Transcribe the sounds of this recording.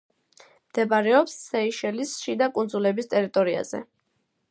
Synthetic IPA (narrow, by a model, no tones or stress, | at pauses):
md̪̥ɛbaɾɛɔpsːɛiʃɛlisʃid̪akʼund̪zulɛbist̪ʼɛɾit̪ʼɔɾia̰z̥ɛ̰